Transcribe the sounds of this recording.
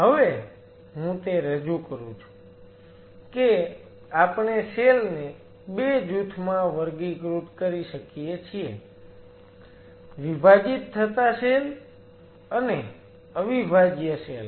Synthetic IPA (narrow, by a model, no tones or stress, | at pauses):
ɦəʋe | ɦũt̪eɾəd͡ʒukəɾũt͡ʃʰu̥ | ke | apɳeselne | bed͡ʒut̪ʰmãʋəɾɡiɡɾut̪kəɾiʃəkijet͡ʃʰie | ʋibʱad͡ʒit̪ʰːət̪aʃel | əne | əʋibʱad͡ʒjəsel